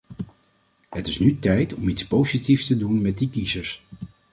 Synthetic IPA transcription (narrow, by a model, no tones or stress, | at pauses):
hətɪsnytɛjtɔmitspowzitifstədunmɛt̚dikizəɹs